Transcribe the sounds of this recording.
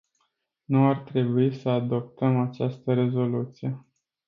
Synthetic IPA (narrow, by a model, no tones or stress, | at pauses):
nuart̪ɾe̞buisəad̪o̞p̚t̪əmat͡ʃast̪əɾe̞zo̞lut̪sije̞